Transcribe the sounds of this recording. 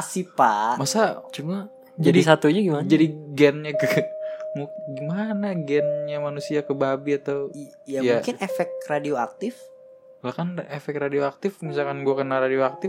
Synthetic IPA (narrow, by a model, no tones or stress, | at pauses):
asipa̰masat͡ʃuma | d͡ʒadisat̪uɲaɡimand͡ʒadiɡɛnɲakəmuɡimanaɡɛnɲamanusiakəbabiat̪aw | jajmaukɪnefɛk̚kradioa̰k̚t̪ɪf | lahkanefɛkɾadioak̚t̪ɪfmis̬alkanɡuakənaradioak̚t̪ɪf